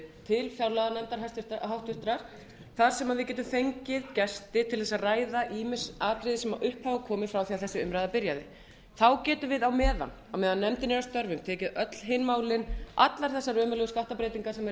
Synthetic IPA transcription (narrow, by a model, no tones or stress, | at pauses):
t̪ʰɪlfjawlaðanɛmt̪aɾɦast̪ɦawht̪vʏht̪ɾaɾ̥ | θaɾ̥sɛmaðvɪðcɛːt̪ʏθejɲcɪðcɛst̪ɪt̪ʰɪlθɛsaraːjðaʔiːmɪsaːt̪ɾɪðɪsɛmaʔʏhphaːvakʰɔːmɪfɾawθiaθɛsːʏɪʏmɾajðapɪɾjaðɪ | θawcɛːt̪ʏvɪðawmɛːða̰n | awmɛːðanːɛmt̪ɪnɛɾast̪œɾvʏmt̪ʰɛːcɪðœt̪l̥ɦeːjnmaːwlɪnʔa̰t̪laɾ̥θɛsːaɾœːmʏlɛɣʏskaht̪apɾejt̪iŋkasɛmɛ